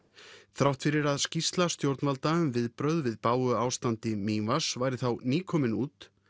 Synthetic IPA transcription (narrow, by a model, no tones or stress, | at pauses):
θɾawht̪fɪɾɪɾaðscist̪last̪jowɾt̪nalt̪aʏmvɪðpɾœɥðvɪðpaːwʏaːwst̪ant̪ɪmiːvasvaːjɾɪθawniːkʰɔmɪnuːt̪